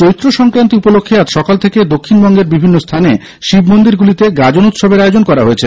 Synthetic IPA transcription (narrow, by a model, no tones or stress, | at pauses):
t͡ɕoit̪ːɾoʃɔŋkɾant̪iupolokʰːiat̪ʃɔkalt̪ʰeked̪okʰːinbɔŋɡeɾbibʱinːost̪ʰane | ʃibmond̪iɾɡulit̪eɡad͡ʑonut̪ʃobeɾaeod͡ʑonkɔɾaɦoet͡ɕʰe